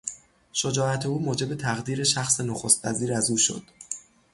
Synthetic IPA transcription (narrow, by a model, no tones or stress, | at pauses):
ʃod͡ʒɒːæt̪ʰe̞uːmoːd͡ʒe̞be̞t̪ʰæɣd̪iːɾe̞ʃæxsenoxo̞st̪væ̰ziːɾæzuːʃo̞̰d̪̥